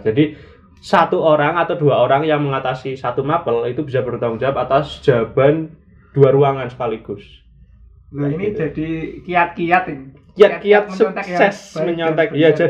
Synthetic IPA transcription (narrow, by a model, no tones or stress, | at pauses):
d͡ʒadi | sat̪uoɾaŋat̪awduaoɾaŋjaŋməŋat̪asisat̪umapəlit̪ubisabərd̪auŋd͡ʒap̚at̪asd̥ʒ̥a̤b̥a̤n | d̥uaɾuaŋansə̥kaliɡ̥ʊs | ninid͡ʒad̥ikijat̪̚kijat̪n | kijakijat̪̚susɛsməɲɔnt̪ɛkjad͡ʒa